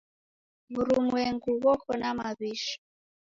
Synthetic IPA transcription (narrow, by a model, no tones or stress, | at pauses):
βuɾumwɛŋɡuβɔkʰɔnamaβiʃɔ̥